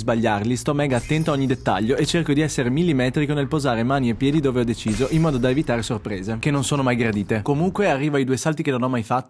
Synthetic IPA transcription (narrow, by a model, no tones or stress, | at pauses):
zbaʎːarlist̪ɔmːɛːɡaːt̪ːɛnt̪oaoɲːid̪et̪ːa̰ʎːoet͡ʃerkod̪iɛsːeɾemilːimɛːt̪ɾikonelpozaːɾemaːniepːjɛːd̪id̪oːveɔd̪et͡ʃiːzoʔimːɔːd̪od̪aevit̪aːɾesorpɾeːzekenːonsoːnomajɡɾad̪iːt̪ekomuŋkwearːiːvoajd̪uːejsalt̪ikenonɔmːajfat̪ːo